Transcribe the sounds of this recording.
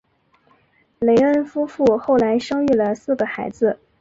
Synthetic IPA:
le˧˥ɪə˥˩nfu˥fu˥˧xo˥˩ʊla˧˥ɪʂɤ˥ŋy˥˩lə˩sɹ̩˥˩ɡə˩xa˧˥ɪd͡zɹ̩˧

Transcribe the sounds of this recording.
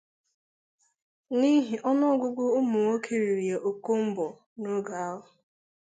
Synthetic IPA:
ni˦ɦi˨ʔɔ˦nɔ˦ɡʷʊ˦ɡʷʊ˦ʊ˦mʊ˨ŋo˦kʰe˨ɾi˨ɾi˨e˨ʔo˨ko˦m̩˦bɔ˨ | no˦ɡa˨a˦ɦʊ˨

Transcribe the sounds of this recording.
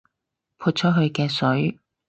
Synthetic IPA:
pʰuː˧t̚t͡ʃʰɔ˥ɦɵ˧ɥkɛː˧sɵ˨˥ɥ

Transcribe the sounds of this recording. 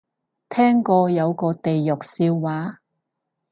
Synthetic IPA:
t̪ʰɛː˥ŋkɔː˧jɐ˨˧wkɔː˧t̪e˨jːʊ˨k̚siː˧wːaː˨˥

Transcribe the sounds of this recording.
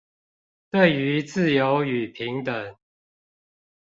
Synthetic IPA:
t̪we˥˨ɪy˨˦t͡sɹ̩˥˨jo˨˦ʊy˨˩pʰi˨˦ŋt̪ə˨˩˦ŋ

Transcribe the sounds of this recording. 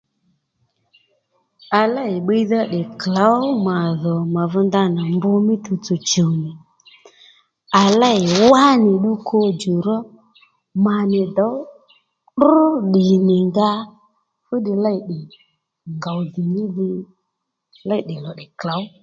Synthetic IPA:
a˨la˦ɪ˨ɓe˦i˦ða˦ɗɪ˨kla˨˦wma˨ðɔ˨ma˨vʊ˧nda˧na˨mbʊ˧mɪ˦t̪u˧t͡sɔ˨t͡ʃo˨nɪ˨ | a˨la˦ɪ˨wa˦nɪ˨ɗu˦kʰo˧d͡ʒu˨ɾɔ˦ | ma˨nɪ˨dɔ˨˦w | ɗɗɪ˨nɪ˨ŋɡa˦ | fu˦ɗɪ˨la˦i˨ɗɪ˨ | ŋɡa˨wðɪ˨nɪ˦ðɪ˧ | la˦i˨ɗɪ˨lɔ˨ɗɪ˨kla˨˦w

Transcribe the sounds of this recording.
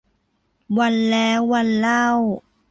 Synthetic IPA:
wa˧˩nlɛː˦˥wːa˧˩nla˧˥˩w

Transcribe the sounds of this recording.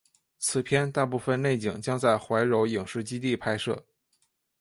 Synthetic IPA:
t͡sʰɹ̩˨˩pʰjɛ˥nt̪a˥˧pu˥˩fə˧nne˥˩ɪt͡ɕi˨˩ŋt͡ɕjɑ˥ŋt͡sa˥˩ɪxwa˧˥ɪɻo˧˥ʊji˨˩ŋʂɻ̩˥˩t͡ɕi˥t̪i˥˩pʰa˥ɪʂɤ˥˩

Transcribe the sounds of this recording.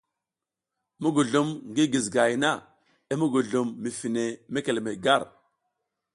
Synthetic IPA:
mu˦ɡu˨ɮu˨mŋɡi˦ɡi˨zɡa˨jna˦˨ | i˦mu˦ɡu˨ɮu˨mːi˨fi˨ne˨me˦ke˨le˨me˨ɡa˦˨ɾ

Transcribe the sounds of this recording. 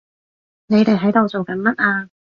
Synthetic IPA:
ne˨˧jt̪e˨jɦɐ˨˥jt̪o˨wt͡so˨wkɐ˨˥nmɐ˥t̚aː˧

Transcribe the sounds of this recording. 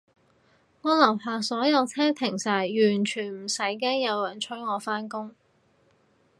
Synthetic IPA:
ŋɔː˨˧lɐ˨˩wpʰaː˨sɔː˨˥jɐ˨˧wt͡sʰɛː˥t̪ʰɪ˨˩ŋsaː˨˩jjyː˨˩nt͡ʃʰyː˨˩nm̩˨˩sɐ˨˥jk̬ɛː˥ŋjɐ˨˧wjɐ˨˩nt͡ʃʰɵ˥ɥŋɔː˨˧faː˥nkʊ˥ŋ

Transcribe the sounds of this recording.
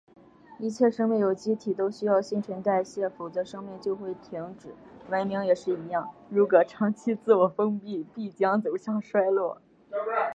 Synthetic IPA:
i˥˧t͡ɕʰjɛ˥˩ʂɤ˥ŋme˥˩ɪjo˨˩ʊt͡ɕi˥t̪ʰi˨˩t̪o˥ʊɕy˥jɑ˥˧ʊɕi˥˩ŋʈ͡ʂʰə˧˥nt̪a˥˧ɪɕjɛ˥˩fu˨˩t͡sɤ˧˥ʂɤ˥ŋmɛ˥˧nt͡ɕjo˥˧ʊxwe˥˩ɪt̪ʰi˧˥ŋʈ͡ʂɻ̩˨˩˦wa˧˥nmi˧˥ŋjɛ˨˩ʂɻ̩˥˩i˧˥jɑ˥˩ŋɻu˧˥kwɔ˨˩ʈ͡ʂʰɑ˧˥ŋt͡ɕʰi˥t͡sɹ̩˥˩wɔ˨˩fɤ˥ŋpi˥˧pi˥˩t͡ɕjɑ˥ŋt͡so˨˩ʊɕjɑ˥˧ŋʂwa˥ɪlwɔ˥˩

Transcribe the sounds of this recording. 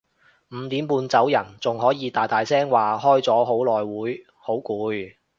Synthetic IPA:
m̩˨˧t̪iː˨˥mpuː˧nt͡sɐ˨˥wjɐ˨˩nt͡sʊ˨ŋɦɔː˨˥jiː˨˧t̪aː˨˩jt̪aː˨jsɛː˥ŋwaː˨hɔː˥jt͡sɔː˨˥ɦo˨˥wlɔː˨jwuː˨˥j | ho˨˥wkuː˨˧j

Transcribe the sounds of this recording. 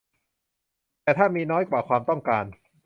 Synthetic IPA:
t̪ɛː˨˩t̪ʰaː˥˩miː˧nɔː˦˥jkwaː˨˩kʰwaː˧mt̪ɔ˥˩ŋkaː˧n

